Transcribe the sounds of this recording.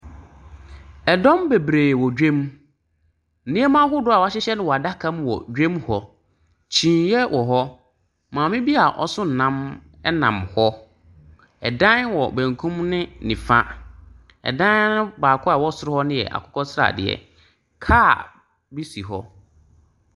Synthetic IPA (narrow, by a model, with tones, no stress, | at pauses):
ɛ˨dɔ̃˦mbe˨bɾeː˨wɔ˨d͡ʑᶣẽ˦m˨ | nɪ̃˦ɛ˦mã˦hʊ˦dʊ˦a˨wa˦ɕɪ˦ɕɛ˦nʊ̃˦wɔ˨a˨da˦kʰã˦mwɔ̰˨d͡ʑᶣẽ˦mhɔ˦ | t͡ɕʰĩː˨jɛ˦wʔɔ˨ɦɔ˦ | mãː˨mɪ̃˦bi˦a˨ʔɔ̰˦sʊ̃˦n̩˨nã˦m | ɛ˦nã̰˨mhɔ˦ | ɛ̰˨dã˦nwɔ˨bæ̃˨ŋ˨kʰũ˦mnɪ̃˦nĩ˨fa˦ | ɛ̰˨dã˦n˦nʊ̃˦baː˨kʰɔ˦a˨wɔ˦sʊ˦ɾʊ˦hɔ˦nɪ̃˦jɛ̰˨ʔa̰˨kʰʊ̥˦kʰɔ˦sɪ˦ɾa̰˨dɪ̰˨ɛ̰˨ | kʰaː˦˨ | bi˦si˨ɦɔ˦